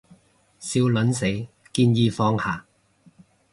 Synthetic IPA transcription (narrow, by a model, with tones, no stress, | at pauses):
siː˧wlɐ˨˥nse˨˥j | kiː˧njiː˧fɔː˧ŋhaː˨˩